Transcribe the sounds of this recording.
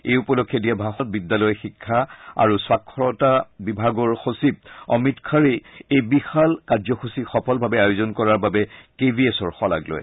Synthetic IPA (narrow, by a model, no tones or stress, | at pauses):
ejupɔlokʰːjɔdiabʱaxɔt̚bidːalɔjxikʰːaa̰ɹuswakʰːɹɔtabibʱaɡɔɹxosib̚ɔ̰mitkʰaɹeejbixalkaɹzɔxusixɔpʰɔlbʱabɛajʊzɔnkɔɹaɹbabɛkebʱiesɔɹxɔla̰ɡlɔ̰j